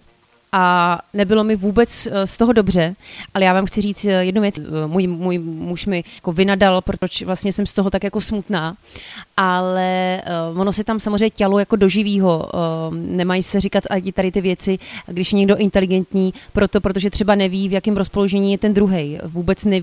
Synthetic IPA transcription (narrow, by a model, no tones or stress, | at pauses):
ʔanɛbɪlo̞mɪvuːbɛt͡sst̪o̞ɦo̞do̞br̝ɛʔalɛjaːvaːmxt͡sɪriːt͡sjɛdnuvjɛt͡smujmuːjmuʃmɪjako̞vɪnadalpɾoot͡ʃvlast̪ɲɛsɛmst̪o̞ɦot̪akjako̞smut̪naːʔalɛvono̞sɛt̪amsamozreɛɲɛcalojako̞do̞ʒɪviːɦo̞ | nɛmajɪsɛrɪkat̪ʔaɟɪt̪aɾɪt̪ɪvjɛt͡sɪɡdɪʃjɛɲɛɡdo̞ʔɪnt̪ɛlɪɡɛnt̪ɲiːpɾo̞t̪o̞pɾot̪̬o̞ʒɛt̪r̝̥ɛbanɛviːvjakɛmɾospo̞loʒɛɲiːjɛt̪ɛnd̪ɾuɦɛjvuːbɛt͡snɛ